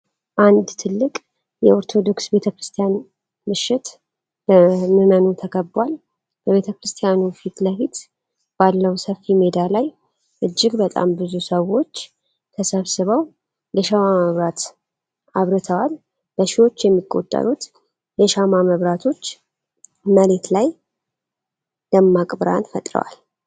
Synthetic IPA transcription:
ʔand̪t̪ʰɨlːɨkʼ | jɛo̞ɾt̪ʰo̞d̪o̞ksbe̞t̪ʰəkɾɨst̪ʰijan | mɨʃːɪt̪ | bəmɨmənut̪ʰəkʰəbːwal | b̥əβe̞t̪ʰəkɾɨst̪ʰʼijanufit̪ləfit̪ | b̥alːəwsəfːime̞d̪alaj | ʔɨd͡ʒːɪɡbət̪ʼa̰mbɨzusəwo̞t͡ʃː | t̪ʰəsəβsɨβəw | jəʃamaməβɾat̪ | ʔaβɾɨt̪ʰəwal | bəʃɪwo̞t͡ʃːjɛmːikʼːo̞̰t̪ʼːə̰ɾut̪ | jəʃamaməβɾat̪ʰo̞t͡ʃː | məle̞t̪laj | d̪əmːakʼbɨɾa̰nfə̰t̪ʼɾə̰wa̰l

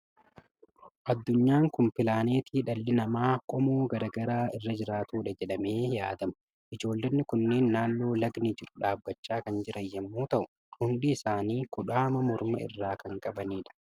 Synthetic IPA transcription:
ʔɐd̪ːʊɲːaːŋkʊmpɪlaːne̞ːt̪iːᶑɐlːɪnɐmaːkʼɔmoːɡɐɾɐɡɐɾaːɪrːɐd͡ʒɪɾaːt̪uːᶑɐd͡ʒɛᶑɐme̞ːjaːd̪ɐmɐ̥ | ʔɪd͡ʒo̞ːlːɐnːɪkʊnːe̞ːnːaːnːo̞ːlɐɡnɪd͡ʒɪɾʊᶑaːbɡɐt͡ʃːaːkɐnd͡ʒɪɾʔɐjːɐmːuːt̪ɐʔʊ | hʊnd̪iːɪsaːniːkʊᶑaːmɐmɔɾmɐɪ̰rːaːkɐŋkʼɐbɐniːᶑɐ̥

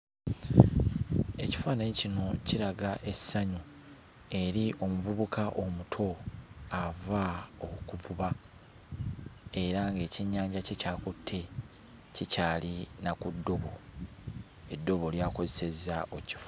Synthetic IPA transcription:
e̞ci̥faːneɲcino̞ciɾaɡaʔe̞sːaɲu | e̞ɾiʔo̞muvuβukʰaʔo̞mutʰo̞avaokkuvuβa | e̞ɾaŋɡe̞ːciɲːaːɲɟacecaːkutʰːe̞ | cicaːlinakudːo̞βo̞ | edːo̞βo̞ljaːko̞zese̞zaoci̥fu

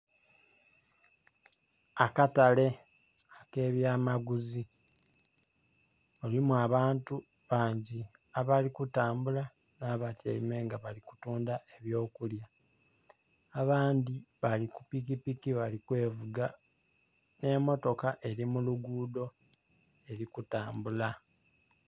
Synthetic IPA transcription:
akatale̞ | ake̞ːβjaːmaɡuzi | olimuaβaːntu | βaːɲɟi | aβalikutaːmbula | naːβatiḛimeːŋɡaβaliku̥tuːndaʔeβjo̞ːkulja | βaːndiβalikupikipikiβalikwe̞ːvuɡa | ne̞mo̞to̞kaʔe̞ɾimuluɡuːdo̞ | e̞ɾikutaːmbula

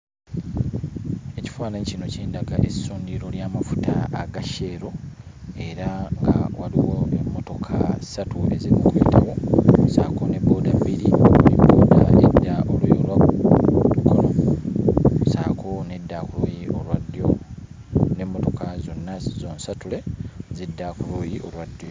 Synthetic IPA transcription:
e̞ci̥faːnaɲcino̞ceːndaɡaʔesuːndiɾo̞ljaːmafu̥tʰaaɡaʃe̞ːɾo̞e̞ɾaŋɡa̰wʔaliwoemːo̞to̞kʰasatʰue̞̰ziɾimukwḛːtawo̞saːko̞ne̞bːo̞ːdabːiɾioliboːda̰edːaolujolwakudukʰolo | sa̰ːkʰone̞dːakulojiolwadːo | nemːoto̞kʰazo̞nːazoːnsatule̞zidːakulojiʔo̞lwad̪ːjo

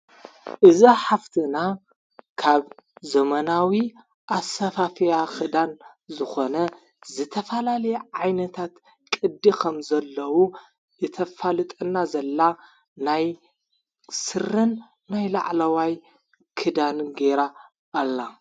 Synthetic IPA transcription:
ʔɨziħaft̪ʰɨna | kʰaβzɐmɐnawi | ʔasɐfafijakʰɨd̪an | zɨxo̞nɐ | zɨt̪ʰɐfɐlalɐjɛʕajnɐt̪ʰat̪ | kʼɨd̪ːikʰɐmzɐlːɐwu | ɨt̪ʰɐfalɨt̪ʼɐnːazɐlːa | naj | sɨɾɨnː | ajla̰ʕlɐwaj | kʰɨd̪anɡeɾaː | lːa

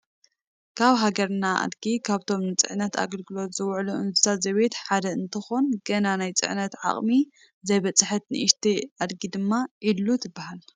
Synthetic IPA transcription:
kʰaβɦaɡɐɾnaʔa̰d̪ɡikʰaβt̪ʰo̞mnɨt͡sʼɨ̰ʕnɐt̪ʰa̰ɡɐlɡɨlo̞t̪zɨwʕluʔɨnzɨsazɐβet̪ħad̪ɐɨnt̪ʰɐxonɡɐnanajt͡sʼɨ̰ʕnɐt̪ʕa̰χʼmi | zɐjbɐt͡sʼɨħɨt̪nɨʔiʃt̪ʰiʔad̪ɡid̪ɨmːaʔilut̪ʰɨbːahal

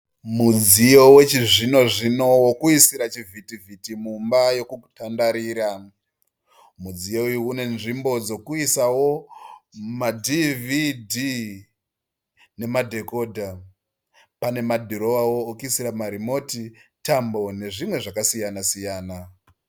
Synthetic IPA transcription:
mud͡zijo̞we̞t͡ʃiʐino̞ʐino̞wokuisiɾat͡ʃivitivitimumbajo̞kutandaɾiːɾa | mud͡zijo̞ujuune̞nʐimbo̞d͡zo̞kuisawo̞ | madividʱi | ne̞madʱe̞koːdʱa | pane̞madʱiɾo̞ʋawo̞ːkuisiɾamaɾimo̞titambo̞ne̞ʐimwe̞ʐakasijanasijaːna

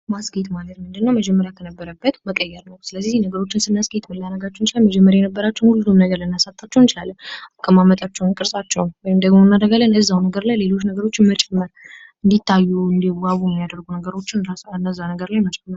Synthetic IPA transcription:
masɡet̪malət̪mɨnd̪ɨnːəwməd͡ʒɛmːəɾjakʰənəbːəɾəbːət̪məkʼəjːɛɾnəwsɨləzːiznəɡəɾo̞t͡ʃːɪnsɨnːasɡet̪mɨlːanəɡat͡ʃːɛwnt͡ʃɪlaməd͡ʒɛmːəɾjajɛnəbːəɾat͡ʃːɛnhulud̪umnəɡəɾlɨnːasat̪ʼːat͡ʃːɛwnt͡ʃɪlalːənakʼːəmamːət̪ʼat͡ʃːɛwnkʼɨɾsʼat͡ʃːɛwnwɔjɪmd̪əɡmoɨnːad̪əɡalːənɨzːawnəɡəɾlajle̞lo̞t͡ʃːnəɡəɾo̞t͡ʃːɪnmət͡ʃʼɛmːɨɾ | ɨnd̪it̪ʰːajːuɨnd̪iwaβujɛmːijad̪əɾɡunəɡəɾo̞t͡ʃːɪnɾasɨnd̪əzːawnəɡəɾlajmət͡ʃʼɛmːəɾ

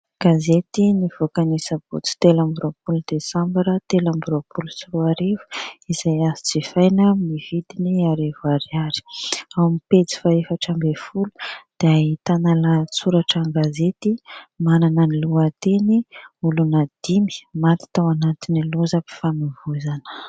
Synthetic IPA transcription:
ɡ̥azet̪iniv̥okanisəb̥ṵt͡si̥t̪elambuɾopulud̪esãmbaɾət̪elambuɾopulut͡siɾuaɾevu̥iz̥ajazi̥t͡sifajnəmivid̪iniaɾevaɾiaɾi̥awamipet͡si̥faefaʈ͡ʂambefulu̥d̪̥eaɦit̪analat͡suɾaʈ͡ʂaŋɡazet̪imananəniluat̪eniulunad̪̥imi̥mat̪i̥t̪awanat̪iniluzəpi̥famivuzanə̥

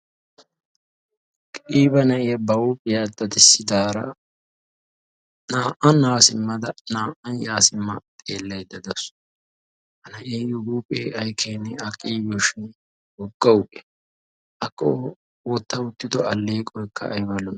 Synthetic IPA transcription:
kʼiːbɐnɐʔɪjɐbɐwupʼɪjad̪ɐd̪ɪsːɪd̪aːɾɐ̰ | naːʔɐnaːsɪmːɐd̪ɐnaːʔɐnjaːsɪmːɐt̪ʼe̞ːlːɐjd̪ɐd̪ɐs | ʔɐnɐʔeːjʊɡuːpʼːeːɐjkʰeːnːɛɐkʼiːbɪɔʃɪn | wɔɡːɐwʊʔʼɛ̥ | ʔɐkʼːɔ | wɔt̪ːɐʊt̪ːɪd̪ɔɐlːeːkʼɔjkʰːɐ̰ʔːjbɐlɔn

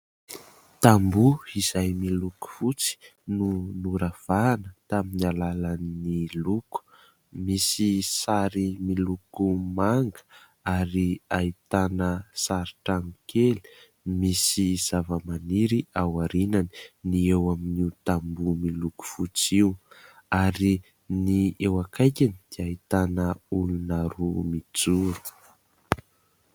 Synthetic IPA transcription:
t̪ambuiz̥ajmiluku̥fut͡si̥nunuɾav̥anət̪aminalalanːiluku̥ | misisaɾimilukumaŋɡə̥ | aɾiait̪anəsaɾiʈ͡ʂaŋikʰeli̥ | misiz̥avəmaniɾiawaɾinani̥niewaminiut̪ambumiluku̥fut͡siwaɾi | niewakajkʲanid̪̥iait̪anəulunaɾumit͡suɾu̥

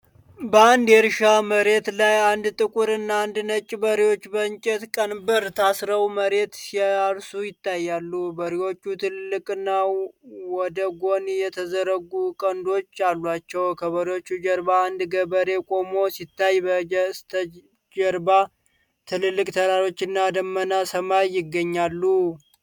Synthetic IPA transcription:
bəand̪ɛɾʃaməɾe̞t̪lajand̪t̪ʼɨkʼuɾɨnːaand̪nət͡ʃʼːbəɾiwo̞t͡ʃːbəɲt͡ʃʼɛt̪kʼənbɨɾt̪ʰasɾəwməɾe̞t̪siaɾsujɪt̪ʰːajːalːubəɾiwo̞t͡ʃːut̪ʰɨlɨlːɨkʼɨnːawɔd̪əɡo̞njɛt̪ʰəzəɾəɡukʼənd̪o̞t͡ʃːalːwat͡ʃːɛwkʰəβəɾiwo̞t͡ʃːud͡ʒəɾbaːnd̪ɡəbəɾe̞kʼo̞mo̞sit̪ːajbəst̪ʰə | d͡ʒəɾba | t̪ʰɨlɨlːɨkʼt̪ʰəɾaɾo̞t͡ʃːɪnːad̪əmːənasəmajːɪɡːəɲːalːu

